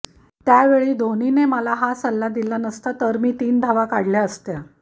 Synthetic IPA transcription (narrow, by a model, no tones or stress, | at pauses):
t̪jaʋeɭiːd̪ʱonineməlaɦasəlːad̪ilanəst̪at̪əɾmiːt̪iːnd̪ʱaʋakaɽljaəst̪ja